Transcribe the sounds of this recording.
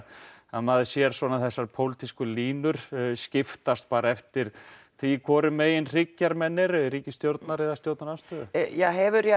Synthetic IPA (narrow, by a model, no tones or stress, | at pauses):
amaðsjɛɾ̥svɔːnaθɛsːaɾpʰowlt̪iskʏliːnʏɾ̥scɪft̪ast̪̚paːɾaɛft̪ɪɾ̥ | θvikʰvɔːɾʏmeːjɪnr̥ɪcːaɾmɛnːɪɾɾiːcɪst̪jowɾt̪naɾɪðast̪jowt̪naɾast̪ʏjɛɦɛvʏɾjɛ